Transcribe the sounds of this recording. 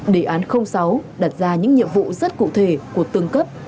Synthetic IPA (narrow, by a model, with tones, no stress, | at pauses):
ɗe˧˩ʔaː˨˦nxə˧wŋ͡msa˨˦wɗaː˨˩t̚zaː˧ɲɨ̰˧˥ŋɲḭ˧˨əmvṵ˧˨zə˦˥t̚kṵ˧˨t̪ʰe˧˩ku˧˩ət̪ɨ˧əŋkə˦˥p̚